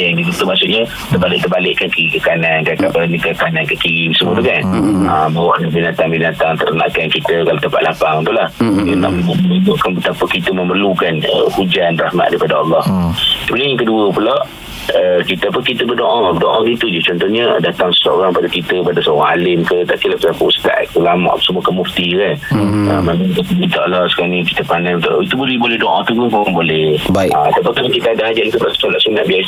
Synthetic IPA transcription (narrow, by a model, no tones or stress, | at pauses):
jaŋdibət̪umasuʔɲə | t̪ərbalɪʔ̚t̪ərbalɪʔkːankiikəkanankakapənikəkanankəkiisəmuət̪ukanabawaʔnəbinat̪aŋbinat̪aŋt̪əɾəna̰ʔkankit̪əkalot̪əmpat̪ʔlʔapaŋt̪ulahəna̰ʔməbuʔəbuʔkanbət̪apəkit̪əməmərlukanə̰hud͡ʒanrahma̰t̪̚daipadaɑlˠːɑht̪əbunijaŋkəduəpulaʔ | əkit̪əapəkit̪əbərdoʔaədoʔait̪ud͡ʒɛht͡ʃɔnt̪ɔhɲədat̪aŋsə̥sʔoɾaŋpadakit̪əpadasəoɾaŋalɪmkət̪apilaʔpəsakuust̪a̰ʔkulamã̰ʔpəsəmuəkəmuft̪ikanəmanait̪akəbint̪aʔalːasə̥kaɾaŋnĩkit̪əpanamt̪a̰it̪ubolɛbolɛhdoʔa̰t̪ukusoɾaŋbolɛhbaiaat̪apakalakit̪əadaad͡ʒaʔnk̪ubaʔsə̥t̪olaʔsuna̰ʔbias